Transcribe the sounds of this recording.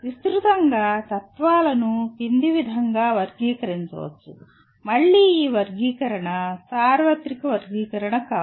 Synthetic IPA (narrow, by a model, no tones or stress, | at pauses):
ʋist̪ɾut̪ɐŋɡaːt̪ɐt̪ʋaːlɐnupind̪iʋid̪ʱɐŋɡaːʋɐɾɡiːkɐɾiɲt͡ʃɐ̰ʋɐ̰t͡ʃːṵ | mɐɭːiːiːʋɐɾɡiːkɐɾɐɳɐsaːɾʋɐt̪ɾikɐʋɐɾɡiːkɐɾɐɳɐkaː